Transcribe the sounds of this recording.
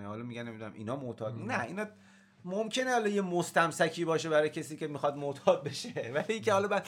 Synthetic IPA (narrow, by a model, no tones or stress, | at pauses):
hɒːlɒmiɟænemid̪unæmʔḭːnɒːmot̪ʰɒːd̪næḭːnɒ | momkʰe̞nehɒlɒjemost̪æmsækʰiːbɒːʃe̞bæɾɒːjecʰesiːcʲe̞mixɒd̪mot̪ʰɒːd̪̚be̞ʃevæliiːŋcʰehɒːlɒbæd̪